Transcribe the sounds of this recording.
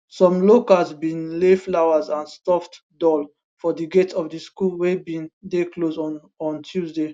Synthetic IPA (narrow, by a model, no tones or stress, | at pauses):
sɔ̃mlokazbĩnleflaʊazãnstɔft | dɔl | fɔdiɡetʰɔfdiskulwebĩndekloz | ɔ̃ntʰjuzde